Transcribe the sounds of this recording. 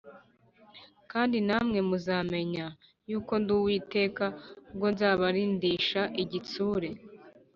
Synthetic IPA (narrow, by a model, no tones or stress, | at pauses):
kaːndinamŋe̞muzaːme̞ɲa | juːko̞nduːwiːte̞ːkabɡonzaːβaɾiːndiːʃaʔiɟit͡suːɾe̞